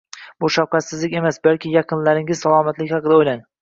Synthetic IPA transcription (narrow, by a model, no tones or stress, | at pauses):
bʊʃawqʰɑt̪sɪzlɪkʲe̞masbalkʲɪjɑqʰɨnlaɾɪŋɪz̥salˠɒmat̪lɪkʲhɑqʰɨd̪aojlaŋ